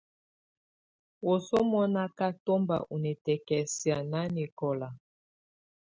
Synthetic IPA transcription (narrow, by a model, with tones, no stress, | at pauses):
wo˨so˦mɔ˦na˦ka˦to˦mba̰˨ʔu˨nɛ˨tɛ˨kɛ˨si˨a˨na˦ni˨kɔ˨la˨